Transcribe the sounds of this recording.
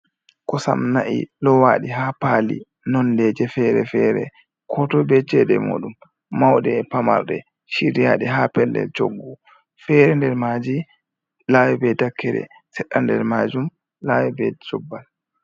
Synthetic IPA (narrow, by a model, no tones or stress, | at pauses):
kɔsa̰mnaʔḭlɔwaɗiɦapalḭ | nɔndɛd͡ʒɛfɛɾɛfɛɾɛ̰ | kʰɔtɔbɛt͡ʃɛɗɛmoɗumː | awɗɛpama̰ɾɗɛ | ʃiɾijaɗɛɦapɛldɛ̰ld͡ʒoɡːɔ | fɛɾɛndɛɾmad͡ʒi | lawɛbɛdakːɛɾɛ̰ | sɛɗːandɛ̰ɾmad͡ʒum | lawɛbɛd͡ʒɔbːal